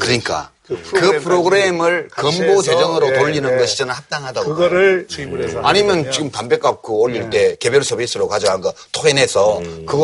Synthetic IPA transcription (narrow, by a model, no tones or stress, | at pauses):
kɯɾʌɲik͈a̰ | kɯpʰɯɾoɡɯɾe̞mɯɭkʌmbot͡ɕe̞d͡ʑʌŋɯɾotoʎːinɯnɡʌɕʰid͡ʑʌnɯɭhap̚t͈aŋɦadaɡo | aɲimjʌnt͡ɕiɡɯmtambek͈ap̚k͈ʰoːʎːiɭt͈e̞ke̞bjʌɭsʰʌbis͈ʰɯɾokad͡ʑʌɦanɡʌtʰoɡenɦe̞sʰʌkɯɡʌ